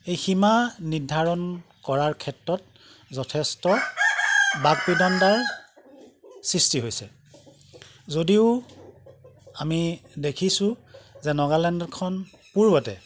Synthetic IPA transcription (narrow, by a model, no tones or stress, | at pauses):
ejximanidʱaɹɔnkɔɹaɹkʰɛtɹɔt̚ | zɔtʰɛstɔ | baɡ̚pidɔndaɹ | sɹistiɦojsɛ | zodiʊ | amidekʰisʊ̃zɛnɔɡalɛndɔkʰɔn | puɹbɔtɛ̰